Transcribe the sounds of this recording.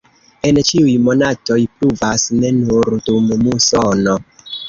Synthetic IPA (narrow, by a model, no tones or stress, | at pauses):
e̞nt͡ʃiujmo̞nato̞jpluvasne̞nuɾdummusono̞